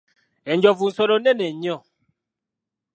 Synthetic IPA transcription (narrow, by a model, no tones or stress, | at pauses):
ɛɲd͡ʒɔvun̩sɔnonɛnɛɲɔ̃